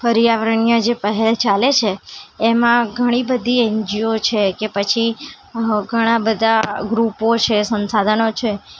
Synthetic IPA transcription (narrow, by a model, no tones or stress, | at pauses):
fəɾijaʋɾəɳijəd͡ʒepəɦɛlt͡ʃalet͡ʃʰeːmãɡʱəɽ̃ĩbəd̪ʱiend͡ʒiot͡ʃʰekepət͡ʃʰi | ɡʱəɽ̃ãbəd̪ʱaɡɾupot͡ʃʰesə̃nsad̪ʱənot͡ʃʰe